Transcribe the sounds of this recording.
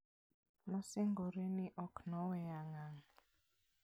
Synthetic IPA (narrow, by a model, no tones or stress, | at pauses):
nɔseŋɡoɾeniʔɔknɔwɛjaŋaŋ